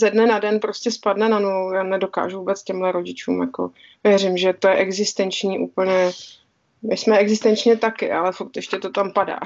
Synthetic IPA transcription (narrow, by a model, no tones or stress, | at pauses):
zɛdnɛnadɛnpɾoscɛspadnɛnanuvowjaːnɛdo̞ka̰ːʒuvuːbɛt͡scɛmɦlɛɾo̞ɟɪt͡ʃṵːmjako̞̰ | vjɛrɪmʒɛt̪o̞jɛʔɛɡzɪst̪ɛnt͡ʃɲiːʔuːpl̩ɲɛ | mɪsmɛɛɡzɪst̪ɛnt͡ʃɲɛt̪akɪ̰ʔalɛfuɾt̪ɛʃcɛt̪o̞t̪ampada̰ː